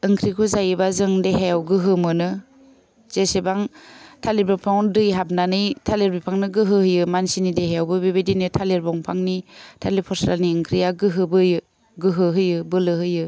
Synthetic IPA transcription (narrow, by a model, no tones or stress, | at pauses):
ɯŋkʰɾikʰuzajɯbazɯŋdeɦejawɡɯɦɯmɯnɯ | z̥esebaŋtʰalebɾɔpʰaŋdɯjɦab̚nanɯjtʰaleɾbipʰaŋnɯɡɯɦɯhɯjɯmansinideɦajawbɯbebedinɯtʰaleɾbɔŋpʰaŋnitʰalepʰɔsɾalniɯŋkʰɾijaɡɯɦɯbɯjɯ | ɡɯɦɯɦɯjɯbɯlɯɦɯjɯ